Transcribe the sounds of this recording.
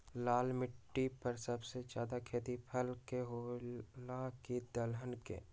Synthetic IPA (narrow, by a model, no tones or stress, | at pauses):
laːlmɪʈːipɐɾsəbsed͡ʒaːd̪akʰeːt̪ipʰəlkeɦoːlakid̪əlɦənkḛː